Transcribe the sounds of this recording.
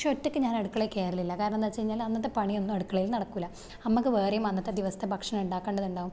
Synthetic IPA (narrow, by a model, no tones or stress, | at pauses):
ʂotːikʲːɨɲaːnɐɽukːɐɭeke̞ːɾɐlilːɐkaːɾɐɳɐmnd̪aːt͡ɕejiɲːaːlɐnːɐt̪ːepɐɳio̞nːumɐɽukːɐɭilnɐɽɐkːuilːɐ | nɐmːukːɨʋeːrejumɐnːɐt̪ːed̪iʋɐsɐ̥t̪ʰːebʱɐkʂɐnɐmuɳɖaːkːeːɳɖɐðuɳɖaːʋum